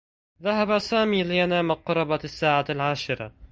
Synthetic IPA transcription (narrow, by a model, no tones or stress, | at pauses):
ðaɦabasaːmiːlɪjanaːmaqʊɾˤɑbasːaːʕalʕaːʃɪɾɑ̰